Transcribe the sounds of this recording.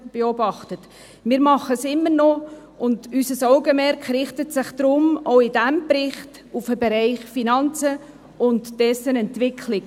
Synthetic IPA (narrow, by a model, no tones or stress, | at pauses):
b̥eɔbɑχtət | mɪːɾmɑχəsɪmːəɾnɔ | ʔʊndysəsɔʊɡəmɛɾkχɾɪχtətsɪχd̥̪ɾʊmoʊɪdæmbɾɪχt | ufəbeɾɛɪχfinɑnt͡sə | ʊntd̥ɛsənɛntʋɪkʰlɪɡ